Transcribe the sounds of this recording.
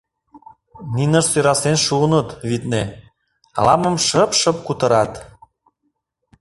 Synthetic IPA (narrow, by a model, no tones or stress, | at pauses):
ninəʃsøɾɑsenʃunət̪βit̪ne | ɑ̰lɑmə̆mʃəpʃə̆p̚kut̪ə̆ɾɑt̪